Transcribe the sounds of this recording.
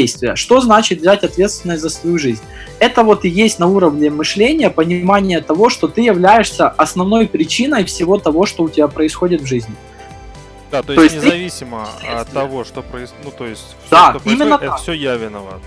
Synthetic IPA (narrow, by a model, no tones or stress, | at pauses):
ejst̪vʲɪjəʂt̪o̞znat͡ɕɪt̪vzʲætʲɐt̪vʲe̞t̪st̪vʲɪnːəsʲt̪ʲzəsvɐjuʐɨzʲnʲ | ɛt̪əvo̞t̪ɪjesʲtʲnɐuɾəvnʲɪmɨʂlʲenʲɪjəpənʲɪmanʲɪjət̪ɐvo̞ʂt̪o̞t̪ɨjɪvlʲæjɪʂsʲəɐsnɐvno̞jpɾʲɪt͡ɕinəjfsʲɪvo̞t̪ɐvo̞ʂt̪o̞ʊtʲɪbʲapɾəɪsxo̞dʲɪt̪vʐɨzʲnʲɪ | d̪at̪too̞ɪsʲtʲɪɨɐvʲisʲɪməːɐvoʂt̪opɾəɪnut̪ojɪsʲ | d̪aimʲɪnːəasʲojavʲɪnəvə̰